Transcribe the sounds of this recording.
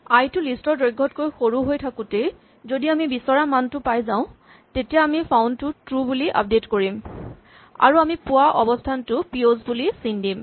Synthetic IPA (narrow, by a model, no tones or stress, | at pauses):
ajtʊlistɔdojɡʱːɔtkojxoɹuɦojtʰakʊte | zodiamibisɔɹamantʊpajzãʊ̃ | tetijaamipʰawntʊtɹubuliʔa̰p̚detkoɹim | a̰ɹuamipʊwaʔɔbɔstʰantʊpiozbulisindim